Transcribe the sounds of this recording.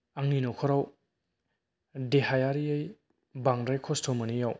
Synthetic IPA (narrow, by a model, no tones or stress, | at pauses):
aŋninokʰɔɾaw | deɦajaɾiaj | baŋdajkʰɔstʰomɐnijaw